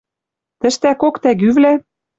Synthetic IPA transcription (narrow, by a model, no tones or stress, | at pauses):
t̪ɘ̆ʃt̪ækokt̪æɣyβlæ